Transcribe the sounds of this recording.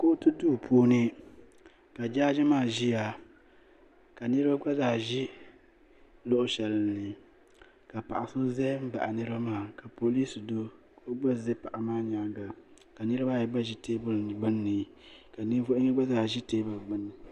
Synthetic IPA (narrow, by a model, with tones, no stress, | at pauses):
ko˦tɨ˦duː˦˨pʰuː˦nɨ˦ | ka˨d͡ʒaː˦d͡ʒɪ˦maː˦˨ʒi˦ja˨ | ka˨nɨ˦ɾɨ˦ba˦ɡ͡ba˦zaː˨ʒi˦ | lo˦ʔʊ˨ʃɛ˨lnːɨ˨ | ka˨pa̰˨ʔa˨so˦zɛ˦m̩˦ba̰˨ʔa˨nɨ˦ɾɨ˦ba˦maː˦˨ka˨po˨li˦sdo˦ | ko˦ɡ͡ba˦zɨ˦pa˨ʔa˨maː˦ɲa˦ɡa˨ | ka˨nɨ˦ɾɨ˦ba˦ja˨ɡ͡ba˦ʒi˦teː˦bʊ˦lɡ͡bɨ˦nːɨ˨ | ka˨ni˦vo˦ɪ˦ŋi˦ɡ͡ba˦zaː˨ʒi˦teː˦bʊ˨lɡ͡bɨ˦nːɨ˨